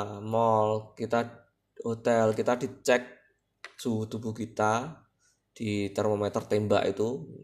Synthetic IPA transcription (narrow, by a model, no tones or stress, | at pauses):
mɔlkit̪a | hot̪ɛlkit̪adi̤t͡ʃɛk̚ | sut̪ubuhkit̪a | d̥it̪ɛrmomɛt̪ərt̪ɛmba̰ʔḭt̪u